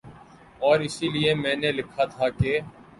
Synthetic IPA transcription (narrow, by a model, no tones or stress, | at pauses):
ɔːɾɪsiliemɛ̃ːnelɪkʰaːt̪ʰaːke